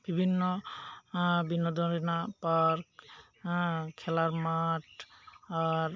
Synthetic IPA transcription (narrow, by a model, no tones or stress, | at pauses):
b̥ʱibʱinːɔ | binɔd̪ʱɔɹinapaɹk | kʰːɛlaɹmaʈaɹ